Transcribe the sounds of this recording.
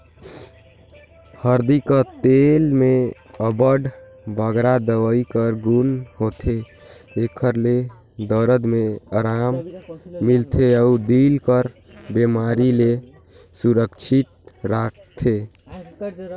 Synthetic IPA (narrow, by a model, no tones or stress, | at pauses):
həɾd̪ikət̪elme | əbəɖ | bʱəɡɾad̪əʋəikəɾɡunɦot̪ʰeː | kʰəɾle | d̪əɾəd̪meəɾamː | ilt̪ʰeəud̪ilkəɾ | bemaɾile | suɾəkt͡ʃʰit̪̚ɾak̚ʰt̪ʰe